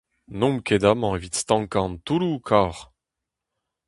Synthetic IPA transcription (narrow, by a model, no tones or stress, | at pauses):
nɔ̃mkʲed̪amɑ̃evit̪st̪ɑ̃ŋkãnt̪ulukʰaːʁ